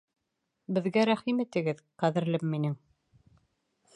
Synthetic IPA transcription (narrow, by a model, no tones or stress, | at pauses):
bɘ̆ðɡæɾæχimɘ̆t̪ɘ̆ɡɘðqæðɘ̆ɾlɘmːinɘŋ